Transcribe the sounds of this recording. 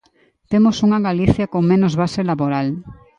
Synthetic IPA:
t̪emosuŋaɣaliθjakoŋmẽnozβaselaβoɾal

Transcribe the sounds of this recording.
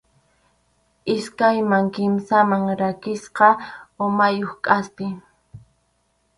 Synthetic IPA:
ɪskajmaŋkɪmsamaŋɾakɪsqɑomajoχkʼaspɪ

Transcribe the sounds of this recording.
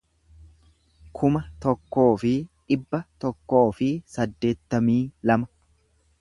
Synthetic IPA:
kʰʊmɐt̪ɔkːo̞ːfɪᶑɪbːɐt̪ɔkːo̞ːfɪsɐd̪ːe̞ːt̪ːɐmiːlɐmɐ

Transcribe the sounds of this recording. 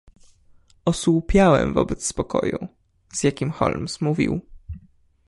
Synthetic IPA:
ɔswupʲjawɛ̰mvɔbɛt̪sspɔkɔju | z̥jakʲimxɔ̰lmsmuvʲḭw

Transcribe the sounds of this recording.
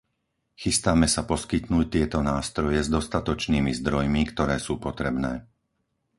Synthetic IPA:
xist̪aːmɛsapɔskit̪nuːc̚t̪ɪɛt̪ɔnaːst̪ɾɔjɛzd̪ɔst̪at̪ɔt͡ʃniːmizd̪ɾɔjmikt̪ɔɾɛːsuːpɔt̪ɾɛbnɛː

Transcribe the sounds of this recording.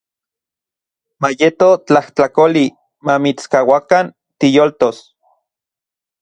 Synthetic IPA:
majet̪ot͡ɬaht͡ɬakoli | mamit͡skawakan | t̪ijolt̪os

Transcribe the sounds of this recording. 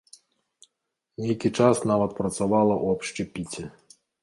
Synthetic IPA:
nʲejkʲit͡ʂasnavɐt̪̚pɾɐt̪savalˠɐʔuɐpʂt͡ʂɨpʲit͡sʲɛ

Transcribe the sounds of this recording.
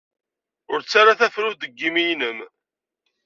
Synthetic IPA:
ʊɾt͡sːaɾaθæfɾud̪əɡːimijnəm

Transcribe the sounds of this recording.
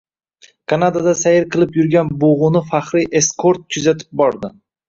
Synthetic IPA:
kʰanad̪ad̪asajɪɾqʰɨlˠɪpjʊɾɡʲanboʁʊnɪfaχɾɪʔe̞skʰoɾt̪̚kʰʊzat̪ʰɪ̥p̚bɒɾd̪ɪ

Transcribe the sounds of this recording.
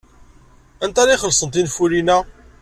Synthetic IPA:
ænt̪æɾiχəlsənt̪infuɾinæ

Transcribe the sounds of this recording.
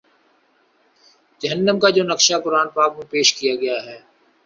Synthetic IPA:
d͡ʒəɦənːəmkaːd͡ʒoːnɐkʃakʊɾaːnpaːkmẽpeːʃkijaɡɐjaːɦɛː

